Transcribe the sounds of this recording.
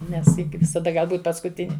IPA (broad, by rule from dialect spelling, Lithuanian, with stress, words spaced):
ˈnʲɛs ˈjɪ ɡʲɪ ʋʲɪsɐˈdɐ ˈɡɐlˠ ˈbuːt pɐskʊˈtʲɪnʲɪ